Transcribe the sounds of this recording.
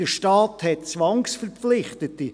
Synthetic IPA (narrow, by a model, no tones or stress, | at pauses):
əʃtɑːthɛt̚t͡sʋɑŋsfəɾflɪχt̪əti